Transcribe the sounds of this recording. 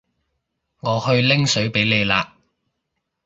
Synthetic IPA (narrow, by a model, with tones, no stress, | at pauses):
ŋɔː˨˧hɵ˧ɥlɪ˥ŋsɵ˨˥ɥpe˨˥jle˨˧jlaː˧